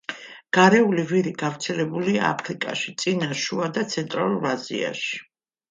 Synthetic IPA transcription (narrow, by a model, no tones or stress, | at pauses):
ɡ̥aɾɛuliviɾiɡ̥avɾt̪sʰɛlɛbulia̰ːpʰɾikʼa̰ʃit̪sʼinaʃuad̪at̪sʰɛnt̪ʼɾalˠuɾazḭa̰ʃi̥